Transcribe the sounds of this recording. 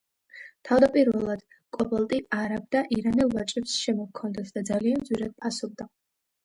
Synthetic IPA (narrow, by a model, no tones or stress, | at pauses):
t̪ʰavd̪apʼiɾvɛlˠad̪̥ | kʼɔpʼalˠt̪ʼiaɾab̚d̪aʔiɾanɛlˠvat͡ʃʼɛpsʃɛmɔkʰːɔnd̪ɛsd̪ad̪zalianmd̪zwiɾad̪̚pʰasɔb̚d̪a